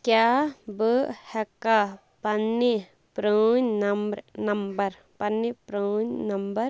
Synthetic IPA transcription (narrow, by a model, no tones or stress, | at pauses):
kjabəhɛka | pɐnːi | pɾəɲnɐmbɾnɐmbɐɾ | pɐnːipɾəːɲnɐmbɐɾ